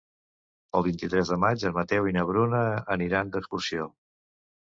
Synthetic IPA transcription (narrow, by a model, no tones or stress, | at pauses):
əlˠβint̪it̪ɾɛzðəmad͡ʒəmət̪ɛwinəβ̞ɾunəəniɾand̪əkskusio